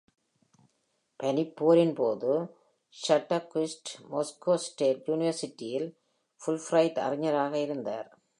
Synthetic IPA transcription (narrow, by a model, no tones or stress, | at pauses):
pɛnɪpːoːɾɪnpoːðɯ | ʃɐʈːɐkɪsʈmɔskoːsʈeːʈjuːnɪʋɐɾsɪʈːɪjɪl | fʊlfrɐɪtɐ̰rɪɲːɐɾaːɣɐɪɾɯnd̪a̰ːɾ